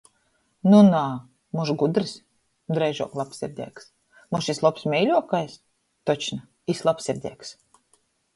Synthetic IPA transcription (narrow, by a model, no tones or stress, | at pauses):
nunaː | muʃɡud̪ɾɨs | d̪ɾɛjʒṵɔklˠapsːiɾʲd̪ʲḭːks | muʃislˠɔpsmʲɛjlʲuɔkajs | t̪ɔt͡ʃna | islˠapsiɾʲd̪ʲiɛks